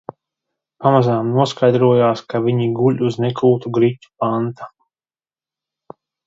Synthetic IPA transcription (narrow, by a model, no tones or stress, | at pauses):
pamazaːmnuɔskajd̪ɾuɔjaːskaʋiɲiɡuʎʲuznekuːt̪uɡɾitʲːu̥pant̪ḁ